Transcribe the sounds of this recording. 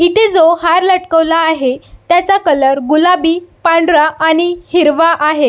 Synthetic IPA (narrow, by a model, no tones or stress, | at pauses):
it̪ʰed͡zohaɾləʈkəʋlaːɦet̪jat͡sakələɾɡulabiːpaɳɖɾaʔaɽ̃ihiɾʋaʔaɦe